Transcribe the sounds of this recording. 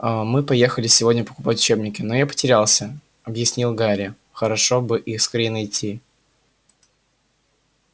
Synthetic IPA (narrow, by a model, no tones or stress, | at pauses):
əmɨpɐje̞xəlʲɪsʲɪvo̞dʲnʲəpə̥kʊpatʲʊ̥t͡ɕe̞bnʲɪkʲɪno̞japə̥tʲɪɾʲalˠsʲə | ɐbjɪsʲnʲilˠɡaɾʲɪə | xəɾɐʂo̞bɨʔiskɐɾʲenɐɪtʲʰːi